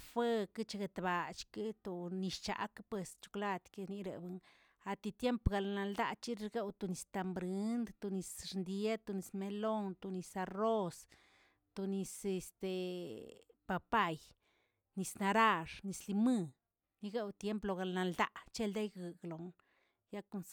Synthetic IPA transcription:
fe˦kɨ˦t͡ʃa˧ɡe˧t̪ba˨t͡ʃki˦t̪u˧ni˧ʃt͡ʃa̰˨kpwe˨st͡ʃu̥˧kla˧t̪ke˧ni˧ɾḛ˨bɨ˧ŋ | a˨t̪i˧t̪je˦mpɡa˨lna˧ld̪a˧t͡ʃi˦ɾe˧ɾɡe˦wt̪u˨ni˧st̪a˧mbɾɨ˧˦nd̪t̪u˧ni˧sɾnd̪je˦t̪u˧ni˧sme˧lo˦˧nt̪u˧ni˧sa˧ro˦s | t̪u˧ni˧se˧st̪e˨ | pa˧pa˦˧j | ni˧sna˧ɾa˧ʂni˧sli˧mɨ˦˧ | ni˧ɡe˦wt̪je˦mplo˧˨ɡa˧˨lna˧ld̪a˦ʔt͡ʃe˦ld̪e˦jɡɨ˧ɡlo˨n | ja˦ku˧ns

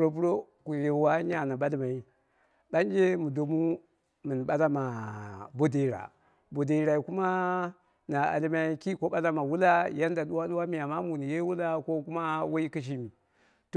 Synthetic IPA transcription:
ɾo˦p̬u˦ɾo˦ku˨je˨wa˦ɲa˨na˨ɓa˦li˦ma˨i˦ | ɓa˦n˦d͡ʒe˦mu˨do˨mu˦ | mi˨n˨ɓa˦la˦ma˨bo˦de˨ɾa̰˨ | bo˨de˨i˨ɾa˨i˨ku˦ma˦ | na˨a̰˨li˦ma˨i˦ki˦ko˦ɓa˦la˦ma˨wu˦la˦ja˦nda˨ɗu˦wa˦ɗu˦wa˦mi˨a˨ma˦mu˨ni˨je˦wu˦la˦ko˦ku˦ma˦wa˦i˦ki˦ʃ̬i˦mi˨ | to˨

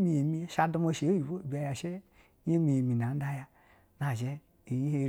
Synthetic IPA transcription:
mi˧je˨mi˧˨ʃa˧du˧mo˧ʃe˨˦ji˨bo˦˨bi˨a˧ja˨ʃe˦ | e˦mi˧je˨mi˨na˨n̩˦da˦ja˧ | na˨ʒɛ˦ | i˨ji˦he˧

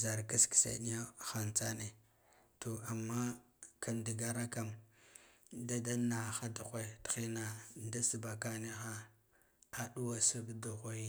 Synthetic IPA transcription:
za˨ɾka˦ski̥˨sa̰˨ni˦ja˦xa˨nt͡sa˦ne˨ | to˨a˨mːa˦ | kʰa˨ndi˨ɡa˦ɾa˦ka˨m | da˦da˦na˨xa˦da˨xʷa˨txi˦na˨da˦si˨ba˨ka˦ni˦xa˦ | a˨ɗu˦wa˨si˦ɡdu˨ɣʷa˦ji˦

